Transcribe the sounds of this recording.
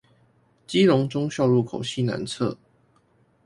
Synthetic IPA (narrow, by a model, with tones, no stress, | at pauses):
t͡ɕi˥lʊ˧˦ŋʈ͡ʂʊ˥ŋɕjɑ˥˧ʊlu˥˩kʰo˨˩ʊɕi˥˩na̰˧˥nt͡sʰɤ̰˥˨